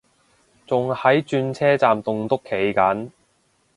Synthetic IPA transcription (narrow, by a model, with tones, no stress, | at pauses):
t͡sʊ˨ŋhɐ˨˥jt͡ʃyː˧nt͡sʰɛː˥t͡saː˨mt̪ʊ˨ŋt̪ʊ˥kʰːe˨˥jkɐ˨˥n